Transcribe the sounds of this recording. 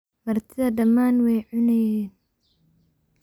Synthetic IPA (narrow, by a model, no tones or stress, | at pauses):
mɐrt̪ʰɪðɐɖɐmːaːnwɛjʕʊnɐjɛːn